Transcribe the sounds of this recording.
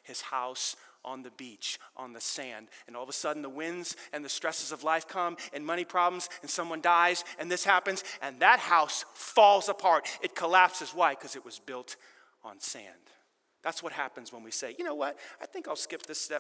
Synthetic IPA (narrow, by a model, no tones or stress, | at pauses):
hɨz̥haʊsʔn̩ðɨbit͡ʃʔn̩ðɨsæ̃ndɨ̃nɔlˠðəsʌdⁿn̩ðəwɪ̃nzɨ̃nðɨstɹ̥ɛsɨzʌvlaɪfkʰʌ̃mɨ̃nmʌɾ̃ipʰɹ̥ɑblm̩zɨ̃nsʌ̃mwʌ̃ndaɪzɨ̃nðɪshæpɨ̃nzʔɨ̃nðɨt̚haʊsfɔlˠzəpʰɑɹɾɨt̚kʰəlæpsɨzwaɪkʰʌzɨt̚wʌzbɪlˠt | n̩sæ̰̃n | ðætswʌt̚hæpɨ̃n̩zwə̃nwiseɪjɨnoʊwʌt̚aɪθɪ̃ŋkaɪlˠskɪp̚ðɪstɛ